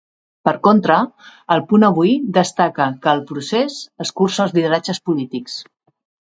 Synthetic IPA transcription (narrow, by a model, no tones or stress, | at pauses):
pəɾkont̪ɾəːlˠpunəβ̞ujd̪əst̪akəkəːlˠpɾusezəskursəlzlið̞əɾad͡ʒəspulit̪iks